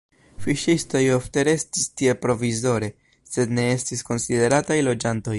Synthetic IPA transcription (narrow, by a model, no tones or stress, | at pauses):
fiʃisto̞jo̞fte̞ɾe̞stistie̞pɾo̞vizo̞ɾe̞ | se̞dne̞e̞stisko̞nside̞ɾatajlo̞d͡ʒanto̞j